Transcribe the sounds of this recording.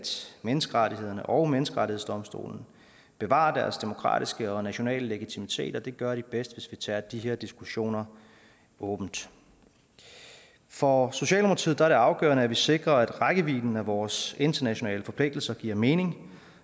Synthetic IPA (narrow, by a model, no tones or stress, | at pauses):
d̥menəsɡ̥əʁɑɾiɦe̝ð̞̰ˠɐnəʔɒʊmenəsɡ̥əʁɑɾʰihesd̥ɒ̽msd̥o̝̰ːln̩ | b̥e̝ʋɑ̰̈ːd̥æɐsd̥e̝mo̝kʰʁɑ̰̈ːd̥isɡ̥əɒ̽næɕo̝nɛ̰ːləleɡ̥it͡sʰimit͡sʰe̝̰ːd̥ɒ̽d̥e̝ɡ̥ɶɐɾ̥ib̥esd̥ʋe̝sʋit͡sʰɛ̰ɐd̥iɦeɐd̥isɡ̥uɕo̝̰ːnɐ | ɔ̽ːb̥n̩d̥ | fɒ̽so̝ɕɛ̰ːlmpʰt͡sʰið̩ˠd̥ɑæɐɾe̝ɑ̈ʊɡ̥œ̰ːɐnəæʋise̝ɡ̥ʁɐæd̥ʁaɡ̥əʋḭːln̩æʋɒːse̝nd̥ɐnæɕo̝nɛ̰ːləfɒ̽pʰle̝ɡ̥̚d̥l̩sɐɡ̥iɐ̰me̝ːne̝ŋ